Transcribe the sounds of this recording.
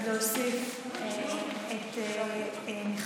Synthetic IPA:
leosif | et̪ | niχ

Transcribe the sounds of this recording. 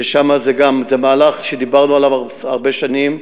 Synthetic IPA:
eʃamazeɡamzemaːlaχʃed̪ibaʁnualavavaʁbe̞ʃanim

